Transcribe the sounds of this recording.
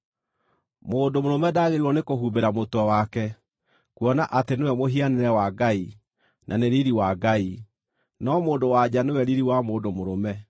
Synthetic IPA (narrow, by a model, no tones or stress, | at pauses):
moːdomoɾomɛdaːɣeɾiwɔnekoɦubeɾamotɔwakɛ | kuɔnaʔatenewɛmoɦianeɾɛwaɡai | nʔaneɾiɾiwaɡai | nɔmoːdowad͡ʑanewɛɾiɾiwamoːdomoɾomɛ